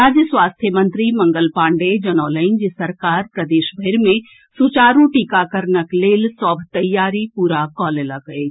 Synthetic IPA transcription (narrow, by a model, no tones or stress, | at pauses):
ɾaːd͡ʒjəswaːst̪ʰjəmə̃nt̪ɾimɐ̃ŋɡəlpãːɳɖed͡ʒɐnɔːləɪ̃nd͡ʒisɐɾkaːɾpɾɐd̪eːʃbʱeɾmẽ | sut͡ʃaːɾũʈiːkakəɾnəkleːlsɔːbʱt̪ɐjːaːɾipuːɾakɔːlelaɡəe